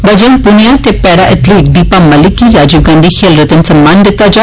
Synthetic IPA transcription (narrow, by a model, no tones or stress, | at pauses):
ʋəd͡ʒənpʊnijaːt̪epɛːɾaːʔɪt̪liːk̚d̪iːpaːməlɪkːiːɾaːd͡ʒuːɡãːnd̪iːkʰeːlɾət̪ənsəmːãːnd̪ɪt̪ːaːd͡ʒa